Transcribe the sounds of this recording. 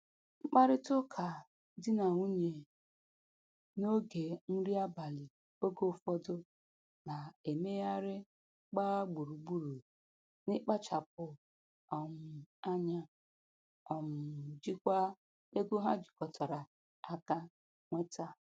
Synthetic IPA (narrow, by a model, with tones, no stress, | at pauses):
ŋ͡m̩˦k͡pa˦ɾɪ˦tʊ˦kʰa˨ | dɪ˦na˨u˦ɲe˨ | no˦ɡe˨n̩˦ɾi˦a˦ba˨lɪ˨ | o˦ɡo˦˨fɔ˦dʊ˦ | na˨e˨me˦ja˦ɾɪ˦ | k͡pa˦ɡ͡bu˨ɾu˨ɡ͡bu˦ɾu˨ | nɪ˦k͡pa˦t͡ʃa˨p̚ʊ˨ | ɔ˨mʊ˨a˦ɲa˦ | ɔ˨mʊ˨d͡ʒi˦kʷa˦ | e˦ɡo˦ɦa˦d͡ʒi̥˨kɔ˨tʰɔ˨ɾa˨ | a˦ka˦ | ŋʷe˦ta˦